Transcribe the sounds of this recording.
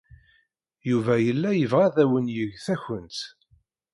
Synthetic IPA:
juvæjəlːæjəvʁæðæwənjəʝθæçənt̪

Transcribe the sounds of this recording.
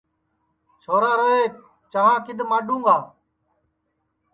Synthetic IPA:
t͡ʃʰoːɾaːɾəɦeː | t͡ʃəɦãːkɪɗ̪maːɖʱũːŋɡaː

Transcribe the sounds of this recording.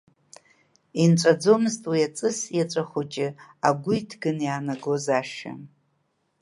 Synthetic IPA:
inʈ͡ʂʷʼad͡zo̞mɨztʼwiat͡sʼɨsjat͡ʃʷʼaχʷot͡ʃʼɪaɡʷʊitʰɡɨnjaːnaɡozaʃa̰

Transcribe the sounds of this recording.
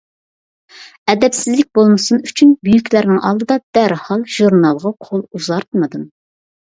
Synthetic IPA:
ɛd̪ɛpsɪzlɪk̚ʲbolˠmɨsunyt͡ʃʰynbyjykʲlæɾnɪŋʔɑ̰lˠd̪ɨd̪ɑd̪̥æɾhɑlˠʒ̥uɾnɑlˠʁɑqʰolˠuzɑɾt̪mɨd̪ɨm

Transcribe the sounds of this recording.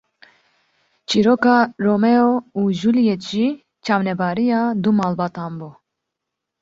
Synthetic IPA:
t͡ʃʰiɾoːkɑːroːmɛouʒulijet̪ʒi | t͡ʃʰɑːwnɛbɑːɾijɑːd̪umɑːlbɑːt̪ɑːnbu

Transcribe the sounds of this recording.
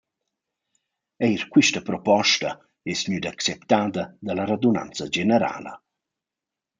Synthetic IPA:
ɛjɾkwiʃtapɾɔpɔʃta | ɛsɲyd̪akt͡sɛpt̪aːd̪ad̪alaɾad̪una̰nt͡sad͡ʒenɛɾa̰ːla̰

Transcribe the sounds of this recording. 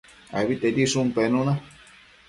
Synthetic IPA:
a̰βit̪ed̪isumpenũna

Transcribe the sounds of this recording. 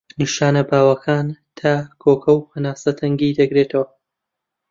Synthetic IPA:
niʃaːnɐbaːwɐkʰaːnt̪ʰaːkʰoːkʰɐwhɐnaːsɐt̪ʰɐŋɡid̪ɐɡɾeːt̪ʰɐwɐ

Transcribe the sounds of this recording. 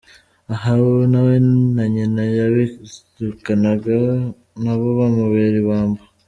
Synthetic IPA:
aɦanawenaɲinajaβetukanaɡa | naβoβamuβeɾiβaːmba

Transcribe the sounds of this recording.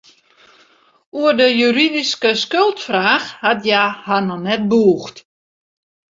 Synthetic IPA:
uərdəjyɾidiskəskølˠtfraːxhatjahanɔnɛt̚buːxt

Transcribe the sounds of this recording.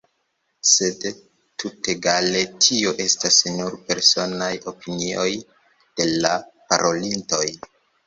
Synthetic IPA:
se̞d | tʰute̞ɡale̞tʰio̞ʔe̞stasnuɾpe̞ɾso̞najo̞pinio̞j | d̥e̞lapa̰ɾʔo̞linto̞j

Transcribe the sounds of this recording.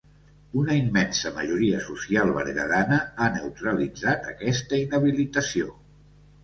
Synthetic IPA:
unəimːɛnsəməʒuɾiəsusialˠβə̰ɾɣə̰ðanəanewt̪ɾəlid͡zat̪əkɛst̪əinəβilit̪əsio

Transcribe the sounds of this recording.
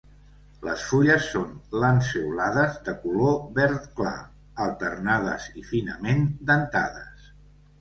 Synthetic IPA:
lə̰sfuʎəsːonlansiwlaðəzðəkuloβɛɾt̪kla̰ | əlˠt̪əɾnað̞ə̰zifinəmend̪ənt̪a̰ðəs

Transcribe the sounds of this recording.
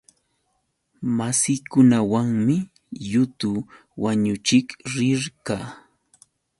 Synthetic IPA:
masɪkʊnawaŋmɪ | jʊt̪ʊ | waɲʊt͡ʃɪkɾɪɾkaː

